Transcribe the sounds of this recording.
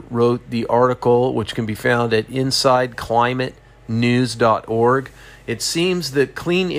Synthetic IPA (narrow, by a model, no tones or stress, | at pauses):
ɹoʊt̪̚ðiʔɑɹɾɨkl̩ˠwə̰t͡ʃkʰɨ̃n̩bifãʊ̃ndɨɾɪ̃nsaɪd̚kʰl̥ãɪ̃mɨtⁿ | nʉzdɑɾɔɹɡ | ɨtsĩmzðɨt̚kʰl̥ĩn